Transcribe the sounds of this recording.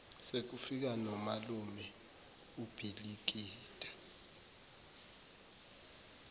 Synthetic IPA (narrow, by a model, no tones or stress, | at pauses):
sek̬ufik̬anɔmalumɛ | ub̥ʱilik̬iːtʼḁ